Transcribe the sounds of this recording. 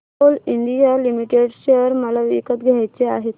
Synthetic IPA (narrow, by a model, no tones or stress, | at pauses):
oliɳɖ̪ijalimiʈeɖɕəɾməlaʋḭkət̪ɡʱjajt͡seaɦet̪